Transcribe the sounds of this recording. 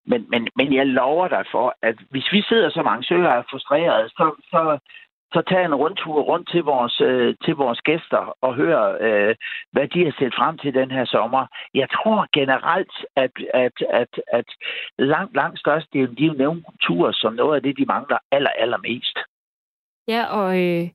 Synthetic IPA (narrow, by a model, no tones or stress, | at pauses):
menmenmenjɑ̈ɪlɒʊɐd̥ɑ̈ɪfɒ̽æd̥ʋe̝sʋise̝ð̞̰ˠɐsɒ̽mɑ̈ŋəsøɐæɐfʁusd̥ʁḛːɐð̞̩ˠsɒ̽sɒ̽ | sɒ̽t͡sʰɛ̰ːenʁɔ̽nt͡sʰuɐ̰ʁɔ̽n̰d̥t͡sʰe̝lʋɒːsøt͡sʰe̝lʋɒːsɡ̥esd̥ɐɒ̽ɦøːɐøʋæd̥ihɑ̈seld̥fʁam̰t͡sʰe̝ld̥enɦeɐ̰sɒ̽mɐjɑ̈ɪt͡sʰʁo̝ɐ̰ɡ̥enəʁal̰d̥æd̥æd̥æd̥æd̥lɑ̈ŋ̰d̥lɑ̈ŋ̰d̥sd̥ɶɐsd̥ə̥d̥eenl̥iʊneʊnkʰult͡sʰṵɐ̰sɒ̽mnɔ̽ːð̩ˠæd̥e̝d̥imɑ̈ŋlɐæl̰ɐʔæl̰ɐme̝̰ːsd̥ | jæʔɒ